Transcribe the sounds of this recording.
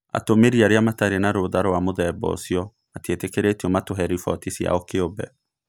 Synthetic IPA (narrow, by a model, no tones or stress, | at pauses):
a̰tomeɾiaɾeamataɾenaɾoðaɾowamoðɛbɔ̰siɔ | atietekeɾetiɔmatoɦɛɾifɔtisja̰ɔkeobɛ̰